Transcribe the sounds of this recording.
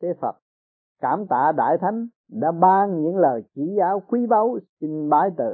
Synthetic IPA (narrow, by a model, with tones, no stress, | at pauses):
ke˨˦fə˨˩t̚ | kaː˧˩mt̪a̰ː˧˨ɗa̰ː˧˨jt̪ʰa˨˦jŋ̟ | ɗa̰ː˧˥ɓaː˧ŋɲɨ̰˧˥ŋləː˨˩jt͡ɕi˧˩˥zaː˨˦wkwi˨˦ɓa˨˦wsi˧ŋ̟ɓaː˨˦jt̪ɨ̰˧˨